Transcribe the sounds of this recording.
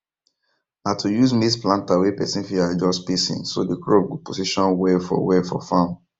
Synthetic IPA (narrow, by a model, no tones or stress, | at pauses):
natʰujuzmisplãntawepɛsĩnfiad͡ʒɔspisḭ̃nso̰dikɹobɡuposiʃɔ̃nwɛfɔ̰wɛfɔ̰fãm